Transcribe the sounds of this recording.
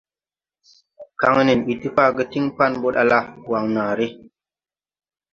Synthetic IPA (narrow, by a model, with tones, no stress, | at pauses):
ka˦ŋə˦ni˨nɓi˨tɨ˦pa˦ɡə˦ti˦ŋpa˦˨nbo˦ɗa̰˧la˦˨wa˨ŋnaː˨ɾi˦